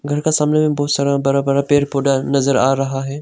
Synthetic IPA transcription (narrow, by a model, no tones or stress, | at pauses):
ɡʱɐɾkasaːmnemẽbɔːt̪saːɾabɐɾabɐɾapeːɾpoːɗanɐzəɾa̰ːɾɐɦaɦɛː